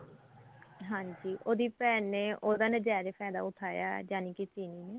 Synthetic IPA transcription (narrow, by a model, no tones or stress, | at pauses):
ɦãːɲd͡ʒiːʔoːd̪iːpɛːnːeːʔoːd̪aːnəd͡ʒaːd͡ʒepʰɛːd̪a̰ːʊʈʰaːja̰ːd͡ʒaːniːkit͡ʃiːniːneː